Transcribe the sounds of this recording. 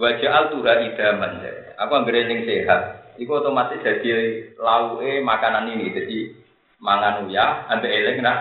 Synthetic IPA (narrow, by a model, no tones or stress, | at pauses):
bad̥ʒ̥a̤alt̪uɾaʔid̪̥a̤mansa̰akuaŋɡəɾelɪŋseɦat̪̚ikut̪ɔmasɪʔd̪̥a̤d̪̥ilauʔemakananinid͡ʒ̥ə̤d̥i | maŋanujaambeʔelɪŋna